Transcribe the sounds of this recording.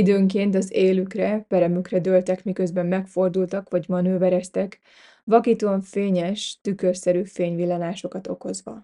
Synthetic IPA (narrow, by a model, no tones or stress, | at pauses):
id̪øːŋkeːnt̪ɒzeːlykrɛpɛɾɛmykrɛd̪øːlt̪ɛkmikø̞zbɛmːɛkfo̞rd̪ult̪ɒkʋɒɟmɒnøːvɛɾɛst̪ɛk | ʋɒkit̪oɱfeːɲɛʃt̪ykørsɛɾyːfeːɲʋilːɒnaːʃo̞kɒt̪o̞̰ko̞zʋɒ̰